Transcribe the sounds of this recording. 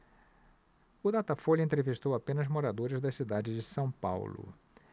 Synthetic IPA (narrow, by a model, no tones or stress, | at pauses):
ʊd̪at̪ɐfoʎɐẽnt̪̬ɾeviʃt̪owapẽnɐzmoɾad̪oɾɐzd̪ɐsid̪ad͡ʒɪd͡ʒɪsɐ̃w̃pa̰wlʊ̰